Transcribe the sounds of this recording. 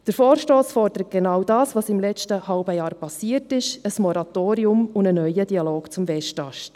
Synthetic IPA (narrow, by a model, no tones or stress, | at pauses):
d̥əɾfoːɾʃtoːsfɔɾd̥əɾət̚ɡ̥ɛnɑwdɑːsvɑːsɪmlɛt͡ʃtəhɑʊbəjɑːɾpɑsiətɪʃəsmɔɾɑt̪oːɾiʊmʊndənœʏəd̥iɑloːkt͡sʊmvɛʃtɑʃt